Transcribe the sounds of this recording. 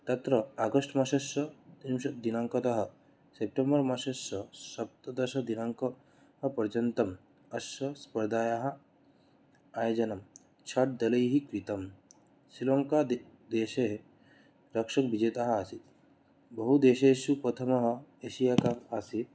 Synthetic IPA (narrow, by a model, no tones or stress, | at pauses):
t̪ɐt̪ɾɐaɡɐʂʈmaʃɐʃɐt̪imʃɐd̪inaŋkɐt̪ɐɦɐ̆ | sep̚ʈembɐɾmaʃɐsɐʃɐp̚t̪ɐd̪ɐʃɐd̪inaŋkɐ | ɦɐpɐɾd͡ʒɐnt̪ɐm | ɐsɐspɐɾd̪aːjaɦɐ̆ | aːjd͡ʒɐnɐm | t͡ʃʰɐʈ̚d̪ɐlɐjɦikɾit̪ɐm | siloŋkad̪ | d̪eːʃeɦ | ɾɐkʂɐk̚bʱid͡ʒet̪aɦɐasit̪ | bɐɦud̪eːʃeʃupɾɐt̪ʰɐmɐɦɐeʃijakamasi